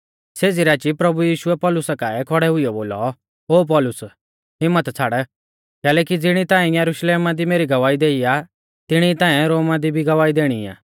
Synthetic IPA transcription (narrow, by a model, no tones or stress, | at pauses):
seːd͡ziɾaːt͡ʃipɾɐbujiːʃʊɛpɔːlʊsakaːɛkʰɔɽɛɦʊijɔboːlɔ̰ | oːp̬ɔːlʊs | ɦɪmːət̪t͡sʰaɽɛ | kɛːlɛːkid͡zɪɽ̃it̪ãːĩjɐɾʊʃleːmad̪imeːɾiɡɐʋaːid̪eːia | t̪ɪɽ̃it̪ãːɛɾoːmad̪ibʱiɡɐʋaːid̪eːɽ̃ia̰ː